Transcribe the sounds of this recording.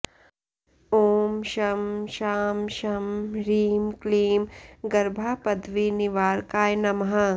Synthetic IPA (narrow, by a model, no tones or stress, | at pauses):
oːmʃɐmʃaːmʃɐmɾiːmkliːmɡɐɾbʱaːpɐd̪ʋiniʋaːɾkaːjnɐmɦɐ